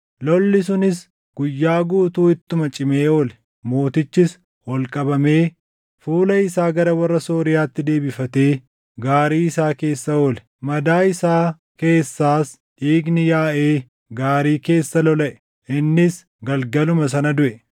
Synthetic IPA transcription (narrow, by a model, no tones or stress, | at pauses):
lɔlːɪs̬ʊnɪs | ɡ̥ʊjːaːɡuːt̪uːɪt̪ːʊmɐt͡ʃʼɪme̞ːoːlɛ̥ | moːt̪ɪt͡ʃːɪs | wɔlkʼɐbɐme̞ː | fuːlɐɪsaːɡɐɾɐwɐrːɐso̞ːɾɪjaːt̪ːɪd̪e̞ːbɪfɐt̪e̞ː | ɡaːɾiːɪsaːke̞ːsːɐoːlɛ̥ | mɐd̪aːɪsaː | ke̞ːsːaːs | ʔiːɡnɪjaːʔe̞ː | ɡaːɾiːke̞ːsːɐlɔlɐʔɛ̥ | ʔɪnːɪs | ɡɐlɡɐlʊmɐsɐnɐd̪ʊʔɛ